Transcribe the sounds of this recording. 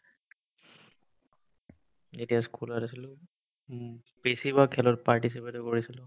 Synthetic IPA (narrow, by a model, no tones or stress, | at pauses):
etiaskulɔtasilʊ̃ | besibakʰɛlɔtpaɹtis̬ipetɔkoɹisilʊ̃